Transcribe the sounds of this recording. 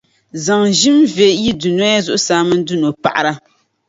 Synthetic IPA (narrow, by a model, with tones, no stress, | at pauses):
za˨ŋʒi˦mve˨ji˦du˨n˦a˦ja˦zʊ˦ʔʊ˦saː˦mɨ˦n˦du˦no˨pa̰˨ʔa˨ɾa˦